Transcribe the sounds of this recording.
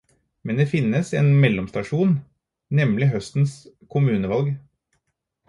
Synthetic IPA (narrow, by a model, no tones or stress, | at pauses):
mɛnd̪eːfɪnːəsḛːnmɛlːɔmst̪ɑʂuːn | nɛmlɪɦœst̪n̩s | kʰʊmʉːnəʋɑlɡ